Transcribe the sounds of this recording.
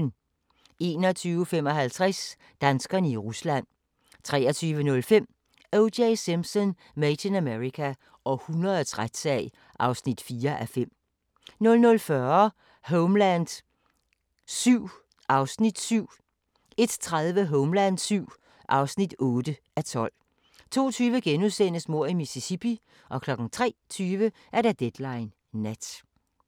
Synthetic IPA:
n | e̝̰ːnɒt͡sʰyːʊəfem̰ɒ̽ɦælt͡sʰʁas | d̥ænsɡ̥ɐnəiʁuslæn̰ | t͡sʰʁɛːɒt͡sʰyːʋənɔ̽lfem̰ | oʊdeɪsimsɔn | met͡sʰenæmeʁikʰæ | ʔɒ̽hunʁɐðˠɒt͡sʰʁad̥sɛɪ | ʔɑ̈ʊsnid̥fiːɐʔæfem̰ | nɔ̽lnɔ̽lfɶɐ | ɦoʊmlænd̥ | syʊ̰ | ʔɑ̈ʊsnid̥syʊ̰ | e̝d̥t͡sʰʁaðˠʋəɦɔʊmlænd̥syʊ̰ | ʔɑ̈ʊsnid̥ɔːd̥ə | æt͡sʰɒ̽l̰ | t͡sʰo̝̰ːt͡sʰyːʋəɡ̥enuðˠsen̰əsmo̝ɐ̰imisisipʰi | ʔɒ̽kʰlɒ̽ɡ̥ŋ̩t͡sʰʁɛ̰ːt͡sʰyːʋə | ʔæɐɾæd̥ed̥lɑ̈ɪnː | æd̥

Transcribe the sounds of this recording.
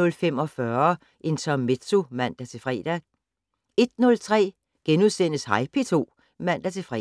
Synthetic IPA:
ɔ̽lfem̰ɒ̽fɶɐ | ʔe̝nt͡sʰɒme̝̥t͡sʰo̝mæn̰d̥æt͡sʰe̝fʁɛ̰ːd̥æ | e̝d̥nɔ̽lt͡sʰʁɛ̰ː | ɡ̥enuðˠsenəshɑ̈ɪpʰe̝t͡sʰo̝̰ː | mæn̰d̥æt͡sʰe̝fʁɛ̰

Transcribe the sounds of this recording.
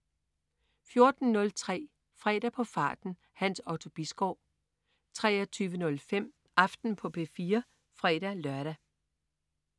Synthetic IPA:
fjo̝ɐd̥n̩ːɔ̽lt͡sʰʁɛ̰ː | fʁɛ̰ːɾ̥æpʰɒ̽fɑ̈ːd̥n̩ | hænsɒʊt͡sʰo̝b̥isɡ̥ɒʊ̰̥ | t͡sʰʁɛ̰ːɐt͡sʰyːʋənɔ̽lfem̰ | ʔɑ̈fd̥n̩pʰɒ̽pʰe̝̰ːfiːɐ | fʁɛ̰ːɾ̥ælɶɐɾæ

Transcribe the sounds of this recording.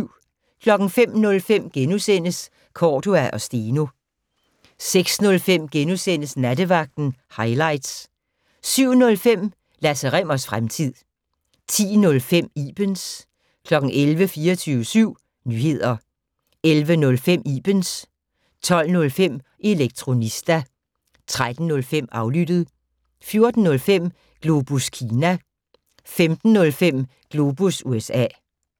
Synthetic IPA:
kʰlɒ̽ɡ̥n̩fem̰nɔ̽lfem̰ɡ̥enusen̰əs | kʰɒːd̥oæʔɒ̽sd̥e̝ːno̝ | seɡ̥snɔ̽lfem̰ɡ̥enusen̰əsnædəʋɑ̈ɡ̥̚d̥n̩hɑ̈ɪlɑ̈ɪd̥s | syʊ̰nɔ̽lfem̰ | læsəʁɛm̰ɐsfʁamt͡sʰið̰ˠ | t͡sʰḭːnɔ̽lfem̰ḭːb̥əns | kʰlɒ̽ɡ̥n̩elʋəfiːɐt͡sʰyːʋəsyʊ̰ | nyːhe̝ð̞̰ˠɐ | elʋənɔ̽lfem̰ḭb̥əns | t͡sʰɒ̽l̰nɔ̽lfem̰ | ʔe̝leɡ̥̚t͡sʰʁo̝nisd̥æ | t͡sʰʁad̥n̩ːɔ̽lfem̰ɑ̈ʊlyd̥əð̞̩ˠ | fjo̝ɐd̥n̩ːɔ̽lfem̰ | ɡ̥lo̝b̥uskʰiːnæ | femd̥n̩ːɔ̽lfem̰ | ɡ̥lo̝ːb̥usuesɛ̰ː

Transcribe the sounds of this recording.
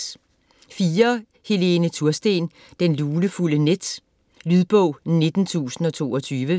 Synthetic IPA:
fiːɐ | he̝le̝ːnət͡sʰuɐsd̥e̝̰n | d̥enluːləfuləned̥ | lyðˠb̥ɔ̽ʊ̰ne̝d̥n̩t͡sʰṵːsn̩ɒ̽t͡sʰo̝̰ːɒ̽t͡sʰyːʋə

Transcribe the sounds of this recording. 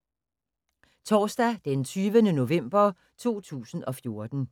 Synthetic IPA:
t͡sʰɒːsd̥æd̥ent͡sʰyːʋənəno̝ʋem̰b̥ɐ | t͡sʰo̝̰ːt͡sʰṵːsn̩ʔɒ̽fjo̝ɐd̥n̩

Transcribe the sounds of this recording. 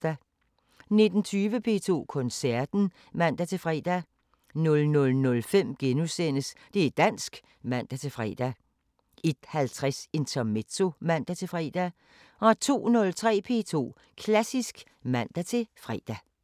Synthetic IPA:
æ | ne̝d̥n̩t͡sʰyːʋəpʰe̝̰ːt͡sʰo̝̰ːkʰɔ̽nsæɐd̥n̩ | mæn̰d̥æt͡sʰe̝fʁɛ̰ːd̥æ | nɔ̽lnɔ̽lnɔ̽lfem̰ɡ̥enusen̰əsd̥e̝æd̥æn̰sɡ̥ | mæn̰d̥æt͡sʰe̝fʁɛ̰d̥æ | e̝d̥hælt͡sʰʁɛse̝nt͡sʰɐmet͡sʰo̝mæn̰d̥æt͡sʰe̝fʁɛ̰d̥æ | ɒ̽t͡sʰo̝̰ːnɔ̽lt͡sʰʁɛ̰ːpʰe̝̰ːt͡sʰo̝̰ː | kʰlæsisɡ̥ | mæn̰d̥æt͡sʰe̝fʁɛ̰ːd̥æ

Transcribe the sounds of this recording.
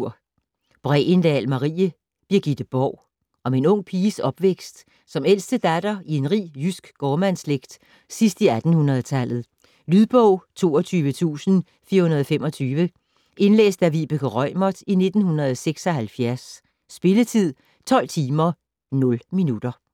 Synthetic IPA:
ɐ̰ | b̥ʁɛ̰ːend̥ɛ̰lmɑ̈ʁḭːə | b̥iɐɡ̥id̥əb̥ɒʊ̰ | ɒ̽me̝nɔ̽ŋ̰pʰiːsɒ̽b̥ʋeɡ̥sd̥ | sɒ̽mel̰sd̥əd̥æd̥ɐienʁḭːjysɡ̥ːɒːmænsleɡ̥d̥ː | isd̥iæd̥n̩hunɐð̩ˠt͡sʰælð̞̩ˠ | lyðˠb̥ɔʊ̰t͡sʰo̝̰ːɒt͡sʰyːʋət͡sʰṵːsn̩ | fiːɐhunɐðˠɒ̽femɒ̽t͡sʰyːʋə | ʔe̝nlḛːsd̥æʋib̥økʰəʁɒɪ̰mɒd̥ine̝d̥n̩hunʁɐð̞̩ˠseɡ̥sɒ̽hælfjæɐsː | b̥e̝lət͡sʰið̰ˠ | t͡sʰɒ̽l̰t͡sʰiːmɐ | nɔ̽lminud̥ɐ

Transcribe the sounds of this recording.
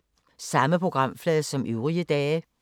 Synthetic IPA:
sɑ̈məpʰʁo̝ɡ̥ʁɑ̈m̰flɛːðˠsɒ̽mʔøʊʁiəd̥ɛː

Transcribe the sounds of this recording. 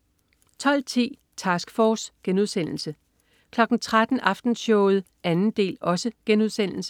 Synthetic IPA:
t͡sʰɒ̽l̰t͡sʰḭː | t͡sʰɑsɡ̥fɒːsɡ̥enuð̞̰ˠsen̰l̩sə | kʰlɒ̽ɡ̥n̩t͡sʰʁad̥n̩ʔɑ̈fd̥n̩ɕɔʊð̞̩ˠ | ænn̩d̥e̝̰ːlɒ̽səɡ̥enuðˠsen̰l̩sə

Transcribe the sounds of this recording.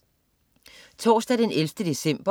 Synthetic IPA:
t͡sʰɒ̰ːsd̥æd̥enelfd̥əd̥e̝sem̰b̥ɐ

